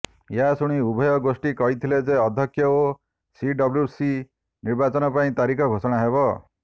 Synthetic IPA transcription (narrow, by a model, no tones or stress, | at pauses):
jasuɽ̃iubʱɔjɔɡosʈikɔɦit̪ʰiled͡ʒeɔd̪ʱjɔkʰjɔo | siɖɔbljusi | niɾbat͡ʃɔnɔpaĩt̪aɾikʰɔɡʱosɔɽ̃aɦeβɔ